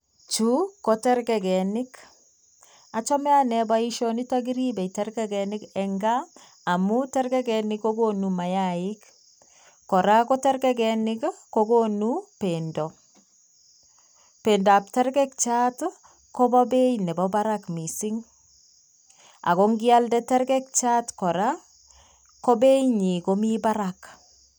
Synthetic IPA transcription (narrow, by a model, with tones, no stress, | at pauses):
t͡ʃu˦kɔtɛ˦ɾɡɛ˨kɛ˨nɪ˦k | a˨t͡ʃɔ˦mɛ˦a˦nɛ˨ba˦i˦ʃɔ˦ni˦ta˦ɡi˦ɾi˦bɛ˨itɛ˦ɾɡɛɡɛnɪkɛŋɡaː˦˨ | mu˦tɛ˦ɾɡɛ˦ɡɛnikːo˦ɡo˦numa˨jaɪk | kɔ˨ɾa˦ko˦tɛ˦ɾɡɛɡɛnɪkkoɡonupendɔ˨ | pe˨nda˨p̚tɛ˦ɾkɛ˦k̚t͡ʃa˦t | ko˦bɔ˦be˦jnɛ˨bɔba˦ɾakmi˨si˦ŋ | a̰˨ko˦ŋɡi˦a˦ldɛ˦tɛ˦ɾkɛ˦k̚t͡ʃa˦tkɔ˨ɾa | ko˦be˦jɲi˨ko˦mi˦ba˦ɾak